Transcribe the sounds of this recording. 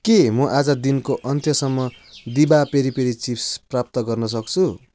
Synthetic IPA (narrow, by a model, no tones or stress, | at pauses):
kemʌʔad͡zʌd̪inkoʔʌnt̪ʰjʌsʌmːʌ | d̪ibapeɾipeɾit͡sipʰsprap̚t̪ʌɡʌrnʌs̬ʌk̚t͡sʰu